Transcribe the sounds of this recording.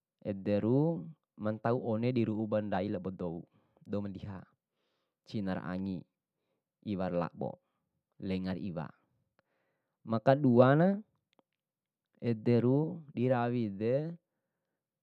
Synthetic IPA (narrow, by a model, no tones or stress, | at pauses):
ʔɛd̪ɛɾu | mant̪auʔɔnɛdiɾuubandailabɔd̪ɔu | dɔumandiɦa | t͡ʃinaɾa̰ŋi | iwarla̰ʔbɔ̰ | lɛŋarḭwa̰ | makaɗuana | ɛd̪ɛɾudiɾawidɛ